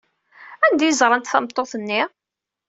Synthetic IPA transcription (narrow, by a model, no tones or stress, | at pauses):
ænd̪æjzˤɾˤɑnt̪θæmt̪ˤːoθənːi